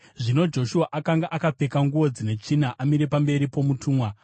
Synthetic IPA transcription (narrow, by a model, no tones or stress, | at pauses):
ʐino̞d͡ʒo̞ʃuaʔakaŋɡaʔakap͡fe̞kaŋɡuʋo̞d͡zine̞t͡ʂinaʔamiɾe̞pambe̞ɾipo̞mutʰuːmwa